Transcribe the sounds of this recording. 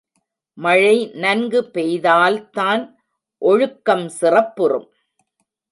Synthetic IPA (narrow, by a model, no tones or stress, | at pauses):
mɐɻɐɪnɐnɡɯpɛjðaːlt̪aːn | ʔɔɻɯkːɐmsɪrɐpːɯrɯ̰m